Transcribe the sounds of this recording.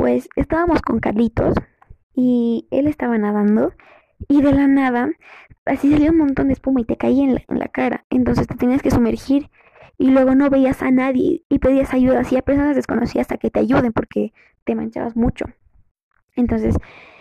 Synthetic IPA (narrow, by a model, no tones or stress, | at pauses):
pwe̞se̞̰st̪aβamo̞sko̞ŋkalit̪o̞̰s | iḛle̞st̪aβanaðand̪o̞ | iðe̞lanað̞aasisaljounmõnt̪o̞nd̪espumoit̪e̞kaienlḛnlʔa̰kaɾa̰e̞̰nt̪o̞nsest̪e̞t̪eniaske̞sume̞ɾxiɾ | ilwe̞ɣo̞no̞βe̞iasanaðjḛipe̞ðiasaʝuðasiape̞ɾso̞nazðe̞sko̞̰no̞siasake̞t̪e̞aʝuð̞e̞mpo̞ɾke̞ | t̪e̞mã̰nt͡ʃa̰βa̰zmut͡ʃo̞̰ | e̞nt̪o̞nse̞s